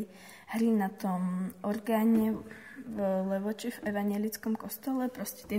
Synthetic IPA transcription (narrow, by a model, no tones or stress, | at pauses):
hɾinat̪omʔoɾɡaːɲɛ | vlɛvot͡ʃɪfʔɛvaɲɛlɪt͡skɔmkost̪olɛpɾoscɛ̥t̪ɛ